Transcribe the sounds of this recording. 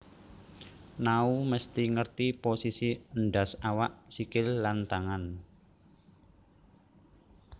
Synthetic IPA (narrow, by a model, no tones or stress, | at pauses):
nauməst̪iŋərt̪iposisiənɖasawaʔsikɪlːant̪aŋan